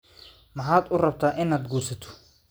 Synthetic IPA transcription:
mɑħaːd̪ʊrɐb̚t̪ʰaːʔɪnaːd̪ɡuːrsɐt̪ʰɔ̥

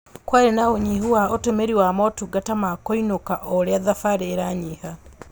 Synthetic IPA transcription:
kwaɾenaoɲiɦuwaotemeɾiwamɔtuɡatamakoinokaʔɔɾeaðafaɾeːɾaɲiha

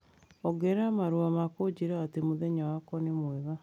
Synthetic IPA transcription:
ɔɡɛɾamaɾuamakod͡ʒiɾaatemoðɛɲawakɔnemwɛɣa

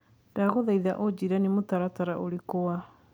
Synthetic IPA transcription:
daɣoðaiðaʔod͡ʑiɾanemotaɾataɾaʔoɾekoa

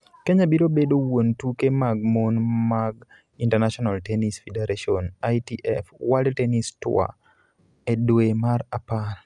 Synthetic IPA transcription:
keɲabiɾobedowontukemaɡ̚monmaɡ | intaɾnaʃɔnaltenisfedeɾaʃiɔnajtiʔɛfwaltenistʊ̰a̰ | edwemaɾapar

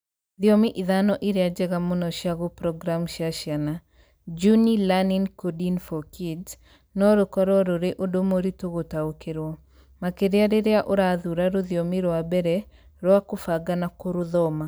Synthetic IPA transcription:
ðjomiʔiðanɔʔiɾead͡ʒɛɣamonɔʃjaɣopɾɔɡɾamʃaʃjana | d͡ʒunilaninkodinfɔkʰid | nɔɾokɔɾɔɾoɾeʔodomoɾitoɣotaokeɾwɔ | makeɾeaɾeɾeaʔoɾaðuɾaɾoðjomiɾwabɛɾɛ | ɾwakofaɡanakoɾʊðɔma

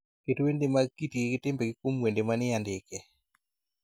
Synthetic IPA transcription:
ketwendɪmakitikɪkɪtɪmbeɡɪkwomwendemanɪjandɪkɛ

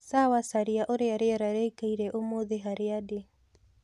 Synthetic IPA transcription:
sawasaɾiaʔoɾeaɾeaɾaɾeikeiɾɛʔomoðeɦaɾeade

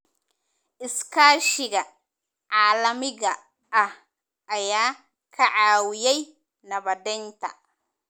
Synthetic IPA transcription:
ʔɪskʰaːʃɪɣɐ | ʕaːlɐmɪɣɐ | ʔɐh | ʔɐjaː | kʰɐʕaːwɪjɛj | nɐβɐd̪ɛnt̪ʰɐ̰

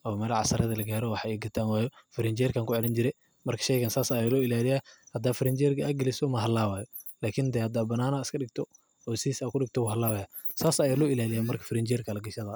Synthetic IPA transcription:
ʔɔːmɛːlʕɑ̰sɐɾɐðɐlɐɡaːɾɔwɑħaɛɡɐt̪ʰaːnwaːjɔfɪɾɛnt͡ʃɛrkʰaːŋkʰʊʕɛlɪnt͡ʃɪɾɛ | mɐrkʰɐ̥ʃɛjɣansaːsɐjaːlɔːɪlaːlɪjaːhɐd̪aːfɪɾɛnt͡ʃɛrkʰɐːɡɐlɪsɔmɐɦɐlːaːwaːjɔlaːkʰɪnd̪ɛːhɐd̪aːbɐnaːnaːɪskʰɐɖɪɡ̚t̪ʰɔ | ɔːsiːsaːkʰʊɖɪɡ̚t̪ʰɔwʊɦɐlaːwaja | saːsɐjaːlɔːɪlaːlɪjaːmɐrkʰɐ̥fɪɾɛnt͡ʃɛrkʰɐlɐɡɐʃɐðɐ

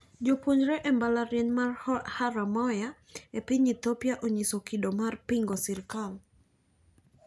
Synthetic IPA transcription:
d͡ʒopuɲd͡ʒɾɛʔɛmbalaɾjɛɲmarhaɾamɔja | epɪɲit̪opjaʔoɲisokidomarpiŋɡɔsirkal

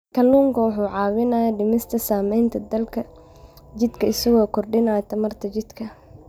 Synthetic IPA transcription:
kʰɐlːuːŋkʰɐwʊħuːʕɑːwɪnaːjɐɖɪmɪst̪ʰɐsaːmɛjnt̪ʰɐd̪ɐlkʰɐ | t͡ʃɪd̪kʰɐɪsɐɣɔːkʰɔrɖɪnaːjɐt̪ʰɐmɐrt̪ʰɐt͡ʃɪd̪̥kʰɐ

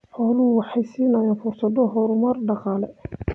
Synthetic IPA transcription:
ħɔːlʊʊwɑħɑjsiːnɐɛnfʊrsɐd̪ɔɦɔɾʊmɐrɖɑqɑːlɛ

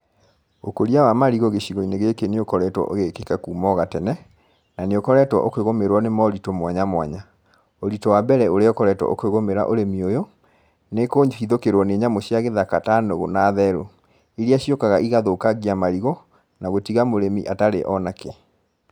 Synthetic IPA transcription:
okoɾiawamaɾiɣɔɣeɕiɣɔineɣekeneokɔɾɛtwɔ̰ʔoɣekekakuːmɔɣatɛnɛ | naneokɔɾɛtwɔ̰ʔokweɣomeɾwɔnemɔoɾitomwaɲamwa̰ɲa | oɾitɔwabɛɾɛoɾeɔkɔɾɛtwɔ̰ʔo̰kweɣomeɾa̰ʔoɾemiojɔ | nekoːɲhiðokeɾwɔneɲamoɕjaɣeðakatanoɣo̰naːðɛɾo | eɾiaɕjokaɣaʔiɣaðoːkaɣiamaɾiɣɔ | naɣotiɣamoɾemḭʔataɾḛʔɔnake

